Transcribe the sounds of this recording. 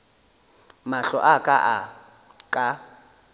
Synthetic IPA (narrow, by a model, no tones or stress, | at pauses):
maɬɔ̰ʔakʼaʔa | kʼa